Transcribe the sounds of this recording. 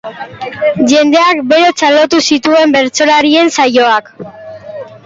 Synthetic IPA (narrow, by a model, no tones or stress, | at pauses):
ʝe̞nd̪e̞akbe̞ɾo̞t͡salo̞t̪usit̪ue̞mbe̞ɾt͡so̞laɾie̞nsajo̞ak